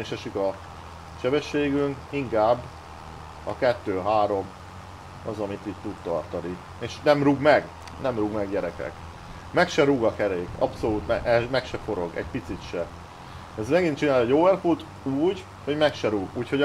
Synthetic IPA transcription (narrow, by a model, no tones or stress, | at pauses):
eʃɛʃikɒ | ʃɛbɛʃːeːɡyŋkiŋkaːbː | ɒkɛt̪ːøːɦaːɾo̞m | ɒzɒmit̪iːtt̪ud̪t̪ɒ̰rt̪ɒni | eːʃnɛmɾuɡmɛɡ | nɛmruɡmɛɡɟɛɾɛkɛ̰k | mɛkʃɛɾuɡɒkɛɾeːkɒ̰pso̞luːt̪mɛʔɛmɛkʃɛfo̞ɾo̞̰ɡɛ̰ɟpit̪sit̪ʃɛ | ɛzmɛɡint͡ʃinaːlɛɟovɛrfult̪ | uːɟ | hoɟmɛkʃɛɾuɡuːcho̞